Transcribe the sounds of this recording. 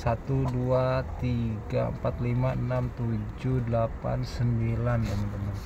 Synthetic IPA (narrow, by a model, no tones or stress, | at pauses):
sat̪uduat̪iɡaə̰mpat̪limaənamt̪ud͡ʒudəlapa̰nsəmbilant̪amant̪əman